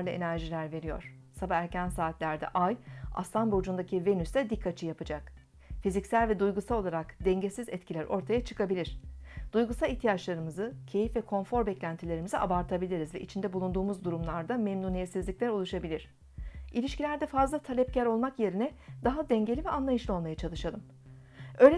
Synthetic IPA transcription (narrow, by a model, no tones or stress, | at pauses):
ɾlˠae̞̰næɾʒilʲæɾve̞ɾijo̞̰ɾ̥ | sabaæɾcænsaːt̪lʲæɾd̪ɛ̰ʔaja̰slˠanbo̞d͡ʒund̪acʰive̞nysɛd̪ikʰːat͡ʃʰɯjapʰɯd͡ʒak | fizicsælʲvɛd̪ujɡusalˠo̞lˠaɾakd̪ɛɲɟesizɛt̪cʰilʲæɾʔo̞̰ɾt̪ʰajat͡ʃʰɯ̥kʰabilʲiɾ̝̥d̪̥ujɡusalˠiçt̪ʰijat͡ʃlˠaɾɯmɯzɯcʰe̞jifvɛkʰo̞nfo̞ɾbɛclʲænt̪ʰilʲe̞ɾimiziʔa̰baɾt̪ʰabilʲiɾizvɛʔit͡ʃʰind̪ɛbulˠund̪uːmuzd̪uɾumlˠaɾd̪amɛmnuːnijɛt̪sizlʲiclʲɛɾo̞lˠuʃabilʲiɾ̥ | ilʲiʃcilʲæɾd̪ɛfazlˠat̪ʰalʲɛp̚cʰæɾo̞lˠmakje̞ɾinɛd̪aɦad̪ɛɲɟe̞lʲivɛʔanlˠajɯʃlˠɯo̞lˠmajat͡ʃʰalˠɯʃalˠɯm | ø̞ːlʲɛ